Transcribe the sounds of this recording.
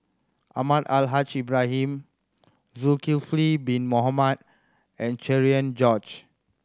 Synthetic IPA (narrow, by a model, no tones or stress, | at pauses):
ʔamadalɦat͡ʃibɹaɦĩm | zukilflibĩnmɔɦamad̚ | ɛ̃nt͡ʃɛɹiə̃nd͡ʒɔd͡ʒ